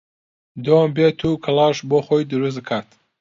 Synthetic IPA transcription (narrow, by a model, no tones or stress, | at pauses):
d̪ombet̪ʰukʰəlɑʃboχojd̪ɨɾus̬kʰat̪